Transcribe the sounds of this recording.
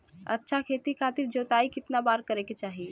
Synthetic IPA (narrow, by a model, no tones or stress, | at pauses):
ə̰tːʃʰakʰeːt̪ikʰaːt̪ɪɾd͡ʒoːt̪aːikɪt̪nabaːɾkəɾeket͡ʃaːɦie